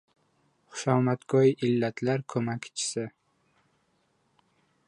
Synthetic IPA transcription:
χʊ̥ʃɒmat̪kʰɒiʔɪlːat̪ʰlaɾkʰɵmakʲt͡ʃʰɪ̥sɪ

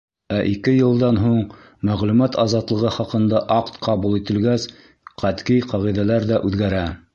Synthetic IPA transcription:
æʔikɘjɤ̆lˠd̪ɑnɦuɴ | mæʁlʉmæt̪ɑzɑt̪lˠɤ̆ʁɤχɑqɤ̆nd̪ɑʔɑqt̪qɑβulˠit̪ɘ̆lɡæs | qæt̪kijqɑʁiðælæɾðæʔʉðɡæɾæ

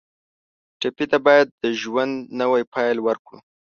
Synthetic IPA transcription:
ʈepit̪abɑjad̪̚ːəʒwand̪nəwajpɑjlwəɾkɽṵ

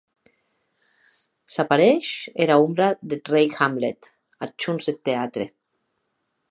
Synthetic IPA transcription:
sapaɾeʃeɾaumbɾaðet̪rejxamlḛt̪ | at͡ʃunzet̪ːeat̪ɾe

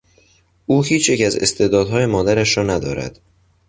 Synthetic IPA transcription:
ʔuːhiːt͡ʃʰjecæzḛst̪e̞ːd̪ɒːd̪ɦɒːje̞mɒːd̪æɾæʃɾɒːnæd̪ɒ̰ːɾæ̰d̪̥

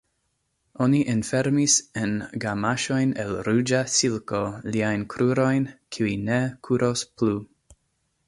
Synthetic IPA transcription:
o̞niʔinfeɾmisenɡamaʃo̞jnḛlɾud͡ʒasilkoliajnkʰɾuɾo̞jnkʰiuinekʰuɾʔosplu

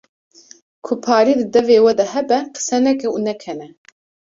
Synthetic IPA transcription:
kʰʊpʰɑːɾiːd̪ɨd̪ɛveːwɛd̪ɐhɛbɛqʰə̥sɛnɛkɛunɛkʰɛnɛ

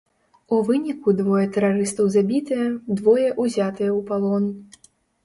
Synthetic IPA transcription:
uvɨnʲikud̪vɔjɛt̪ɛɾaɾɨst̪ɐwzabʲit̪ɨjɛd̪vɔjɛʔuzʲat̪ɨjɛwpalˠɔn

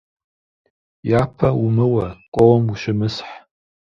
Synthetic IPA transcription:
jaːpʰɐwumɨwɐkʷʼɔwɔmuʃɪmɨsħ

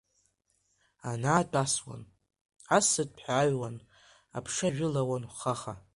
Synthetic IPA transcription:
anaːtʼaswa̰n | asɨt̚ʼpʰħʷᶣaɥwan | a̰pʰʂaʒᶣɪlawanχaχa

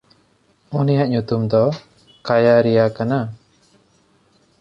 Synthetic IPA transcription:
unijaʔɲut̪umd̪ɔ | kajaɾijakana

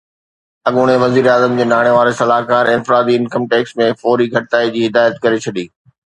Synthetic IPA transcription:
ɐɠʊɽ̃eʋɐziːɾeaːzəmd͡ʑeːnaːɽ̃eʋaːɾesɐlaːɦkaːɾɪ̃nfɪɾaːd̪iɪnkəmʈeːksmẽfɔːɾiɡʱɐʈ̚t̪aːid͡ʑiːɦɪd̪aːjət̪kɐɾet͡ɕʰɐɗiː

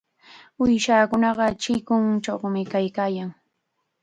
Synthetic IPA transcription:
ʊjʃaːkʊnɑɢɑt͡ʃɪkʊŋt͡ʃowmɪkajkaːjaŋ

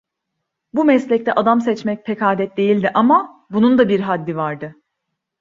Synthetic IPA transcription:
bumɛslʲɛc̚t̪ʰɛʔad̪amsɛt͡ʃmɛc̚pʰekʰaːd̪ɛt̪̚d̪e̞jilʲd̪iʔama | bunund̪abiɾɦad̪ʲːivaɾd̪ɯ

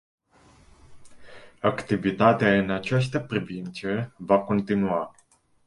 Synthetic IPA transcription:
akt̪ivit̪at̪eaɨnat͡ʃas̬t̪əpɾivint̪sevako̞nt̪inua

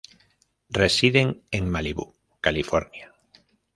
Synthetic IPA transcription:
resiðeŋeŋmaliβṵ | kalifoɾnja

